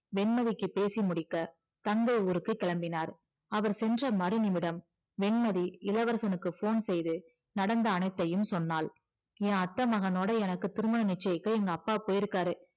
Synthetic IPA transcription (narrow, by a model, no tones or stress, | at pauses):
ʋɛɳmɐðɪkːɯpeːsimʊɽɪkːɐ | t̪ɐŋɡɐuːɾɯkːɯkːɛɭɐmbɪnaːɾ | ɐʋɐɾsɛndrɐmɐɾɯnɪmɪɽɐm | ʋɛɳmɐðiɪlɐʋɐɾsɐnɯkːɯfoːnsɛjðɯ | nɐɽɐnd̪ɐːnɐɪt̪ːɐjɯmsɔnːaːl | ẽːɐt̪ːɐmɐɣɐnoːɽɐɛnɐkːɯt̪ɪɾɯmɐnɐnɪt͡ʃːɐjɪkːɐɛŋɡɐːpːaːpoːjɪɾɯkːaːɾɯ